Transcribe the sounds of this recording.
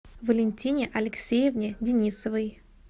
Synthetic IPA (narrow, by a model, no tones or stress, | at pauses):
vəlʲɪnʲtʲinʲɪʔɐlʲɪksʲejɪvnʲɪdʲɪnʲisəvɨj